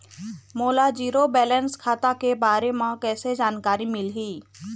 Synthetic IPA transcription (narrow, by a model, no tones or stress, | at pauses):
moːlad͡ʒiːɾobɛːlənskʰaːt̪akebaːɾemãkɛːsed͡ʒaːnkaːɾimɪlɦiː